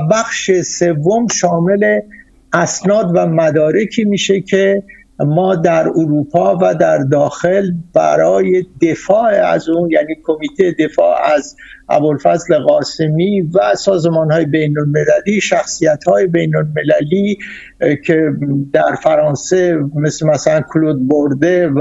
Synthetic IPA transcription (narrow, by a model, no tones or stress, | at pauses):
bæxʃese̞vːo̞mʃɒːme̞le̞ | æsnɒːd̪væmæd̪ɒːɾe̞kʰiːmiːʃe̞cʰe | mɒːd̪æɾoɾuːpʰɒːvæd̪æɾd̪ɒːxe̞lb̥æ̰ɾɒːje̞d̪e̞fɒːʔeæ̰zuːnjæːniːkʰo̞miːt̪ʰejed̪e̞fɒːæzʔæ̰bolfæzleɣɒːsemiːvæsɒːzemɒːnhɒːjebe̞jnolme̞læliːʃæxsijæt̪hɒːjebe̞jnolme̞læliː | cʰe̞d̪æɾfæɾɒːnse̞me̞slemæsælænkʰlod̪̚boɾd̪e